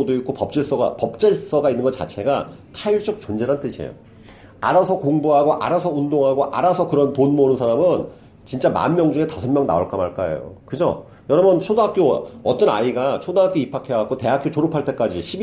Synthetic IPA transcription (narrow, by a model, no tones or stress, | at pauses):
odoik͈opʌp̚t͡ɕ͈eɭs͈ʌɡa̰pʌp̚t͡ɕ͈eɭs͈ʌɡainːɯnɡʌt͡ɕ͈a̰t͡ɕʰe̞ɡatʰaiɭt͡ɕ͈ʌk̚t͡ɕond͡ʑe̞ɾant͈ɯɕʰḛjo̰ | a̰ɾasʰʌkoŋbuɦaɡoʔaɾasʰʌundoŋɦaɡoʔaɾasʰʌkɯɾʌntonmonɯnsʰaɾamɯn | t͡ɕint͡ɕ͈ama̰nmjʌŋd͡ʑuŋe̞tasʰʌnmjʌŋna̰oɭk͈ʌmaɭk͈aḛjo̰kɯd͡ʑo̰ | jʌɾʌbɯnt͡ɕʰodoɦak͈joʌt͈ʌna̰iɡat͡ɕʰodoɦakjoipʰakʰeak̚k͈ote̞ɦak͈jot͡ɕoɾupʰaɭt͈e̞k͈ad͡ʑiɕʰi